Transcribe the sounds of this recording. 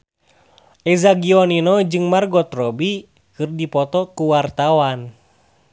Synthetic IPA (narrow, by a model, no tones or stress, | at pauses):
ʔɛzaɡiɔninɔd͡ʒɨŋmarɡɔt̪rɔbi | kɨrdipɔt̪ɔkuwart̪awan